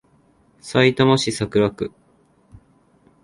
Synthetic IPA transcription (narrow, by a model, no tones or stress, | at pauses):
sait̪omoɕisakɯ̟ɾakɯ̟